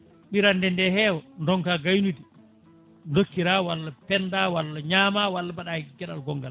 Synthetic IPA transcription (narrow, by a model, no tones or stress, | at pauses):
ɓiɾandɛndɛɦɛwɔndɔŋkaɡajnudi | ndokːiɾawalːapɛndawalːaɲaːmawalːabaɗaɡɛɗa̰lɡɔŋɡal